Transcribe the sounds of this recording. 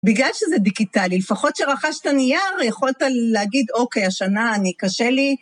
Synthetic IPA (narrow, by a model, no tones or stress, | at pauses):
biɡlalʃezediɡitalilefaχo̞tʃeʁaχaʃtanijaʁjeχo̞lt̪aːeaɡid̪o̞ke̞jaʃanaːnikaʃeli